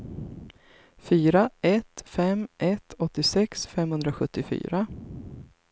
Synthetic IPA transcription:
fyːɾaɛt̪fɛmʔɛt̪ʰɔt̪ːɪsɛksfɛmhɵnd̪ɾaɧɵt̪ːɪfy̰ːɾa

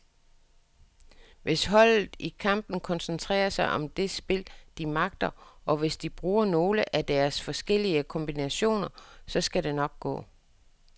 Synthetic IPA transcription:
ʋʔe̝sɦɒ̽l̰ð̩ˠikʰɑ̈m̰b̥n̩kʰɒ̽nsənt͡sʰʁɛ̰ːɐsɑ̈ɪʔɒ̽md̥e̝sb̥e̝ld̥imɑ̈ɡ̥d̥ɐɒ̽ʋe̝sd̥ib̥ʁuːɐno̝ːləʔæd̥æɐsfɒ̽sɡ̥el̰iəkʰɒ̽mb̥inæɕo̝̰ːnɐsɒ̽sɡ̥æɾe̝nɒ̽ɡ̥̚ɡ̥ɔ̰̽ː

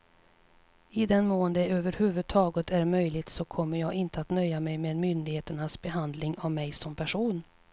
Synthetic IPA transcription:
ɪd̪ɛnmoːənd̪əøːvəɾhʉ̟ːvɵd̪̚t̪ʰɑːɡət̪ʰæɾmœjlɪɡt̪sɔkʰɔmːəɾjɑːɡɪnt̪əat̪nœjːamɛjmeɛnmʏnd̪ɪɡheːt̪əɳasbɛɦand̪lɪŋavmɛjsɔmpʰæʂuːn

